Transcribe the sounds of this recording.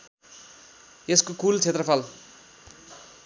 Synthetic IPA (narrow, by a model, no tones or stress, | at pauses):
eskokult͡sʰet̪rʌpʰal